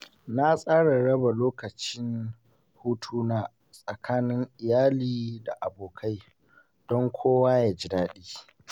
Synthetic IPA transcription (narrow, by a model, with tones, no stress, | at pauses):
na˦sʼaː˦ɽa˨ɽɐ˦ba˨loː˦kɐ˨t͡ʃɪ˦n | huː˦tʰuː˦naː˦ | sʼɐ˨kʰaː˦nɪ˦ŋʔɪ˨jaː˦liː˨da˨ʔa˨boː˨kʰa˦j | d̥ɔ˦ŋkʷʰoː˦waː˦jaː˨d͡ʒɪ˨daː˦ɗiː˦